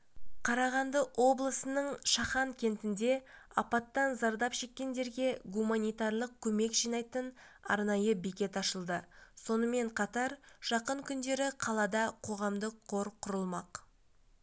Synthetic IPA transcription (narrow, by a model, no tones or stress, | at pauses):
qʰɑɾɑʁɑnd̪əʔwo̞blˠəsənəɴʃɑχɑŋkʲʰe̞nt̪ɪnd̪e̞ | ɑpɑt̪ːɑnzɑɾd̪ɑpʃe̞kʲːe̞nd̪e̞ɾɡʲe̞ɡumanʲijt̪ɑɾlˠəq̚kʲʰɵme̞kʒijnɑjt̪ən | ɑ̰ɾnɑjəbekʲe̞t̪ɑʃəlˠd̪əso̞nəme̞ɴqʰɑt̪ɑɾʒ̥ɑqəɴkʲʰʏnd̪e̞ɾɪqʰɑlˠɑd̪ɑqʰo̞ʁɑmd̪əqʰːo̞ɾqʰʊɾəlˠmɑq